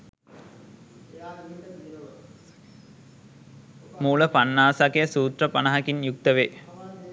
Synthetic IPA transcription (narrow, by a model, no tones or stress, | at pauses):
muːləpanːaːsakejəsuːt̪rəpanɐɦakinjuk̚t̪əʋeː